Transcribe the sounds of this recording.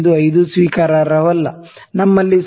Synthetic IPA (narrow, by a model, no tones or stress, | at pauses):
d̪uɐjd̪usʋiːkaːɾaːɾɐʋɐlːɐnɐmːɐlːis